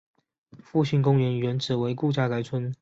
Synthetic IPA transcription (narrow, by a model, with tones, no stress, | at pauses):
fu˥˧ɕi˥˩ŋkʊ˥ŋɥɛ˧˥nɥɛ˧˥nʈ͡ʂɻ̩˨˩we˧˥ɪku˥˧t͡ɕja˥˧ka˧˥ɪt͡sʰwə˥n